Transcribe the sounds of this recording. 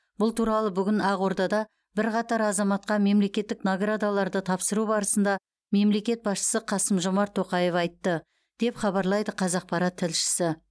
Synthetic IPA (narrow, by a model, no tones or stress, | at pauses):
b̥ʊlˠt̪ʰuɾɑlˠəbʏɡʲɪnɑʁo̞ɾd̪ɑd̪ɑ | bɪɾqɑt̪ɑɾɑzɑmɑt̪̚qɑme̞mle̞kʲe̞t̪ːɪknoɡrad̪alˠɑɾd̪ət̪ʰɑpsəɾubɑɾəsənd̪ɑ | me̞mle̞kʲe̞t̪̚bɑsʃə̥səqʰɑsəmʒomɑɾt̪ʰːo̞qɑje̞fɑjt̪ːə | d̪̥e̞pχɑβɑɾlˠɑjd̪əqʰɑzɑq̚pʰɑɾɑt̪ʰːɪlʃɪ̥sɪ